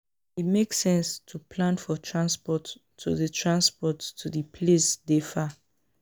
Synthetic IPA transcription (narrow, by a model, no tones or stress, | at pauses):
it̚meksɛ̃nstʰupʰlãnfɔtʰɹãnspɔtʰː | ṵðətʰɹãnspɔtʰːuðipʰlesdefa